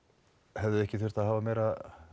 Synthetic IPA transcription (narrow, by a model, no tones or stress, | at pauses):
hɛvðʏɛhcɪθʏr̥t̪aðɦaːvameːjɾa